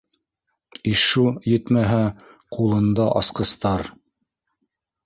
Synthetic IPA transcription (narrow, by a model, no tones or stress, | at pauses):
iʃujɘt̪mæɦæqulˠɤ̆nd̪ɑʔɑsqɤ̆st̪ɑɾ